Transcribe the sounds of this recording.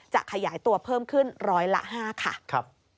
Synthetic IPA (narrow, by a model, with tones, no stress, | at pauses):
t͡ɕa̰˨˩ʔkʰa˧jaː˩˦jt̪u˧ɐpʰɤː˥˩mkʰɯ˥˩nɾɔː˦˥jla̰˦˥ʔɦaː˥˩kʰa̰˥˩kʰp̚